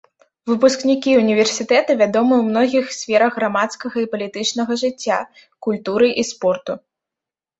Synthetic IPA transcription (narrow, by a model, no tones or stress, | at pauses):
vɨpusknʲikʲiunʲivʲɛrsʲit̪ɛt̪ɐvʲad̪ɔmɨwmnɔɣʲixsʲfʲɛɾɐɣːɾamat̪skɐɣɐipɐlʲit̪ɨt͡ʂnɐɣɐʐɨt͡sʲːa | kulʲt̪uɾɨʔispɔrt̪u